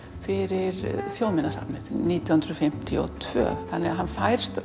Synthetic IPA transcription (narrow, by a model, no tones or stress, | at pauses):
fɪɾɪɾθjoːwmɪnasa̰pnɪðniːt̪jahʏnd̪ɾʏfɪm̥t̪ʰɪɔ̰t̪ʰv̥œ̰ːθanːɛɣaɦanːfajɾ̥st̪